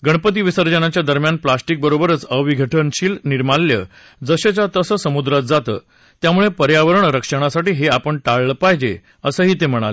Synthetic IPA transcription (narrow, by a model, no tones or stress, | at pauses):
ɡəɳpət̪̬iʋisəɾd͡ʑənat͡ɕjad̪əɾmjanplasʈik̚bəɾobəɾət͡səʋiɡʱəʈʰənɕiːlniɾmalːjə̰ | d͡zəɕət͡ɕjat̪əsəsəmud̪ɾat̪̚d͡zat̪ə̰ː | t̪jamuɭepəɾjaʋəɾəɳɾəkʂəɽ̃asaʈiːɦeapəɳʈaɭːpajd͡ʑe | əsəɦiːt̪em̤əɽ̃a̰le